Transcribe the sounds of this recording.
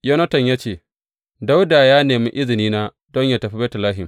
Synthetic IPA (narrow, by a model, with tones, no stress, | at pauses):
jɐ˦nɐ˦tɐ˨ɲjaː˦t͡ʃeː˦˨ | da˦wda˨jaː˦neː˨mi˦ʔɪ˦zɪ˨niː˦naː˦ | dɔ˦ɲjaː˦˨tɐ˨ɸi˦bɛ˦tʊ˨laː˦ɦɪ˨m